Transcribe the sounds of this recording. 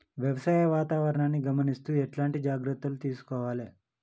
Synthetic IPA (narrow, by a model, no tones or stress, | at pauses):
ʋjɐʋɐsaːjɐʋaːt̪aːʋɐɾɐɳaːnːiɡɐmɐnist̪uːɛʈlaːɳʈid͡ʒaːɡɾɐt̪ːulut̪iːsu̥kɔːʋaːle